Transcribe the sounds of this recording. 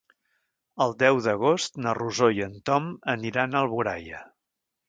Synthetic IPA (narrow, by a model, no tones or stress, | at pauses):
əlˠd̪ɛwðəɣ̞ost̪nəruzojənt̪ɔməniɾanəlˠβuɾa̰jə̰